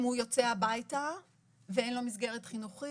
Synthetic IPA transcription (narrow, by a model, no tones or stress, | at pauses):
mhujo̞t͡seabajta | veenlo̞misɡe̞ʁetχinuχi